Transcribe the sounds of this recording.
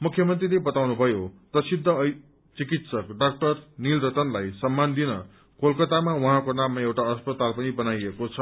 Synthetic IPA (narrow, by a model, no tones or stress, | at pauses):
mukʰjʌmʌnt̪rilebʌt̪awnubʱʌjot̪ʌsid̪ʱːʌʌ | t͡sikit̪sʌkɖak̚ʈʌrnilɾʌt̪ʌnlajsʌmːand̪inʌ | kolkʌt̪amawuɦãkonamːaewʈaʌspʌt̪alpʌnibʌnajekot͡sʰʌ